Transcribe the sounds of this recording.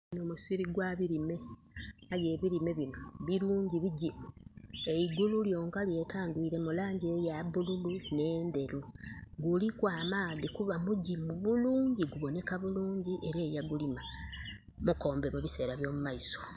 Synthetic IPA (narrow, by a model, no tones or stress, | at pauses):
nomusiɾiɡwaβiɾime̞ | aje̞ːβiɾime̞βino̞βiɾuːɲɟiβiɟimue̞iɡululjo̞ːŋkalje̞ːtaːndwiːɾe̞mulaːɲɟejaβululune̞ːnde̞ɾu | ɡulikwaːmaːðikuβamuɟimuβuluːɲɟiɡuβo̞ne̞kaβuluːɲɟiʔe̞ɾeːjaɡulima | muko̞ːmbe̞muβise̞ːɾaβjo̞ːmumaiso